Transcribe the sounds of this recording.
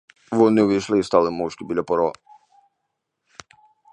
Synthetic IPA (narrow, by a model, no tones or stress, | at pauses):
ʋɔnɪʋɪjʃlˠɪist̪ɑlˠɪmɔwʃkʲɪbilʲɐpɔɾɔ